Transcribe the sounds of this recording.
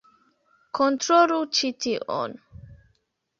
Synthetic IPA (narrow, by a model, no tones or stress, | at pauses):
kʰɔ̃ntɾoɾut͡ʃitʰiʔɔ̰n